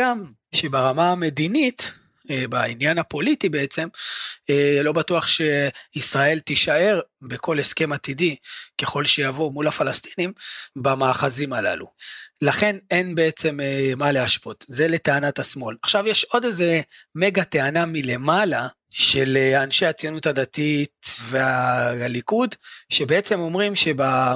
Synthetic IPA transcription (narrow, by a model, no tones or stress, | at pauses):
ɡam | ʃe̞baʁamaame̞d̪init̪ | bainjanapo̞lit̪ibeet͡se̞melo̞batuaχʃe̞isʁae̞lt̪iʃae̞ʁbe̞kʰo̞le̞ske̞mat̪idike̞χo̞lʃejavo̞mulafalast̪i̥nimbamaːχazimala̰lṵlaχe̞ne̞nbe̞et͡se̞memaleaʃpo̞t̪ze̞le̞teanat̪asmo̞laχʃavjeʃo̞d̪eze̞me̞ɡat̪e̞anamile̞mala | ʃe̞leanʃeat͡sijonutad̪at̪it̪ve̞alikud̪ʃebeet͡se̞mo̞mʁimʃe̞ba